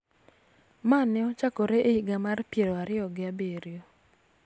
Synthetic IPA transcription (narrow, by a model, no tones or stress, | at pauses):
manɪɔt͡ʃakoɾeʔeiɡamarpjeɾoaɾɪɔɡɪabeɾjo